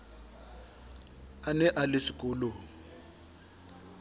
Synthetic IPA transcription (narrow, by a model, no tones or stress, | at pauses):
anɛʔalɪʂikʼʊːlʊ